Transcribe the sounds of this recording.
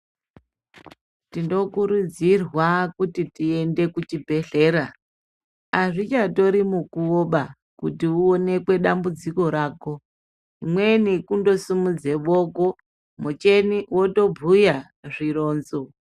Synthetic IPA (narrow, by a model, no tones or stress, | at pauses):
tindo̞kuɾud͡zirwakutitie̞nde̞kut͡ʃibʱe̞ɬe̞ːɾa | aʐit͡ʃato̞ɾimukuoɓa | kutiuone̞kwe̞ɗambud͡ziko̞ɾaːko | imwe̞nikundo̞simud͡ze̞ʋoːko | mut͡ʃe̞niwoto̞bʱuja | ʐiro̞ːnzo